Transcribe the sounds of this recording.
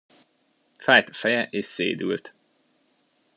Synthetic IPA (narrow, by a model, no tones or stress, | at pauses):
fæjt̪fɛjɛʔeːʃsḛːd̪ʉ̰ːlt̪